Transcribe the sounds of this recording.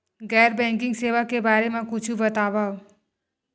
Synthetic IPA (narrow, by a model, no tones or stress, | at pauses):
ɡɛɾbɛ̃ŋk̬ɪ̃ŋɡseʋakebaɾemãkʊt͡ʃʰubət̪aʋao